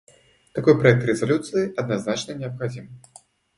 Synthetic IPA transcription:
t̪akɔjpɾajɛk̚t̪ɾʲɛzalʲut̪sɨjiʔɐd̪naznat͡ʃnɐnʲɪɐpxad͡zʲim

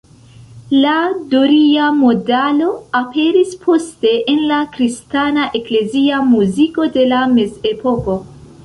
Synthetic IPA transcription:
ladoɾiamo̞dalo̞ape̞ɾispʰo̞ste̞ʔːnlakɾistanaʔe̞kle̞ziamuziko̞de̞lameze̞po̞ko̞

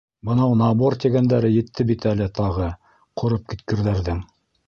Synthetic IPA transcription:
bɤ̆nɑwnɑbort̪ʲeɡænd̪æɾɘjɘ̆t̪ʰːɘbit̪ælɘt̪ɑʁɤ | qʰŏɾɤp̚kit̪kɘ̆ɾðæɾðɘŋ

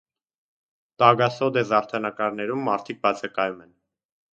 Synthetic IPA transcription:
t̪ɑɡɑsɔd̪ɛzɑɾt̪ʰɑnɑkɑɾnɛɾumːɑɾt̪ʰik̚bɑt͡sʰɑkɑjumɛn

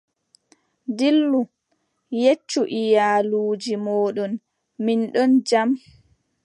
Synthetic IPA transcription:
dilːu | jet͡ʃːuʔijaːluːd͡ʒimɔːɗɔn | minɗɔnd͡ʒam

